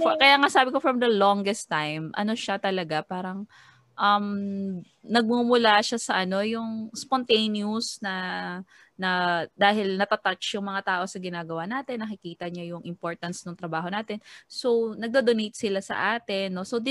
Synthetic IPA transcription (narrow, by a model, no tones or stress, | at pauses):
fkɐjaːŋasaːbɪkofɹɐmd̪ɐloŋɡɛst̪ːajmʔɐ̰no̞ʃat̪ɐlɐɡapaːɾɐŋ | ʔɐm | nɐɡ̚mumʊlaʃasɐʔɐno̞jʊŋspont̪ejnjusnɐ | nɐd̪aːɦɪlnɐt̪ɐt̪at͡ʃjʊŋmɐŋat̪aːʔo̞sɐɡɪnaːɡɐwanaːt̪ɛnːɐkɪkiːt̪ɐɲajʊŋʔɪmpo̞ɹt̪ɐnsnoŋt̪ɾɐbaːɦo̞naːt̪ɛnso̞wnɐɡ̚d̪od̪onejt̪̚sɪlasɐ̰ʔaːt̪ɛnːo̞sowd̪